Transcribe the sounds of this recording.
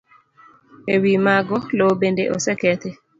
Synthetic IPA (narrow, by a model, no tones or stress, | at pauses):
ewimaɡɔlobendeʔosɛkɛt̪e